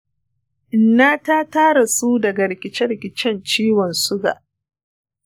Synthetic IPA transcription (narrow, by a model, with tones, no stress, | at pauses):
ʔʔɪ˨nːaː˦taː˦taː˦ɽa˨su˦dɐ˨ɡa˨ɽɪ˨kʲɪ˦t͡ʃɛ˦ɽɪ˨kʲɪ˨t͡ʃɛ˦nt͡ʃiː˦wɔ˨nsʊ˦ɡa̰ː˨ʔ